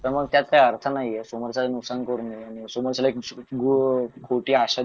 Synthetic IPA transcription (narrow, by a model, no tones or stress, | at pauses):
t̪əməɡ̚t̪jat̪̚kaɦiəɾt̪ʰənaɦijɛsoməɾt͡ɕalnuksankəɾniaɽ̃isoməɾt͡ɕalaek̚ɡukʰoʈiːaɕa